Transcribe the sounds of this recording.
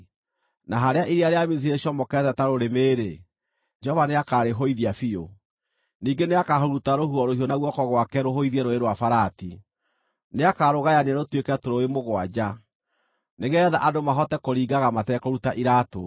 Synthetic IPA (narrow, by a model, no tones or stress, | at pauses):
naɦaɾeaʔiɾiaɾeamis̬iɾeɕɔmɔkɛtɛtaɾoɾemeːɾe | d͡ʒɔvaneakaɾeɦoiðiafio | niːɡeneakahoɾutaɾohuɔɾohiɔnaɣwɔkɔɣwakɛɾoɦoiðiɛɾoeɾwafaɾati | neakaɾoɣajanaɾotwekɛtoɾoemoɣwad͡ʒa | neɣɛða̰ʔadomaɦɔtɛkoɾiːɡaɣamatɛkɔɾutaʔiɾaːto